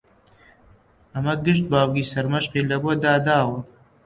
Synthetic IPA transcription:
ɐmɐɡɨʃt̪̚baːwɡiːsɐɾmɐʃqiːlɐbuɐd̪aːd̪aːwɐ

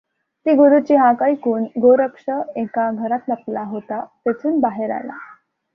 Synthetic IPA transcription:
t̪iːɡoɾut͡ɕiːɦãkəikuːnɡoɾəkʂəekaɡʱəɾat̪ləplaɦot̪at̪et͡suːnbaɦeɾa̰la̰

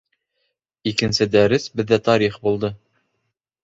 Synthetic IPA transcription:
ikɘ̆nsɘd̪æɾɘsbɘ̆ðːæt̪ɑɾiχbulˠd̪ɤ

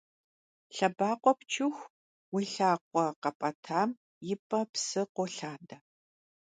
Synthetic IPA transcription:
ɬɐbaːqʷɔpt͡ʃʰɪxʷ | wiɬaːqʷʼɔqɐpʼɐtʰaːm | jɪpʼɐpsɨqʷɔɬaːdɐ

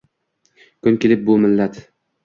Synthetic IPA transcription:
kʰʊnkʲelɪp̚bʊmɪlːat̪

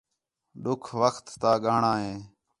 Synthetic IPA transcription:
ɗʊkʰʋəkt̪ːaːɠaːɳãːɦẽː

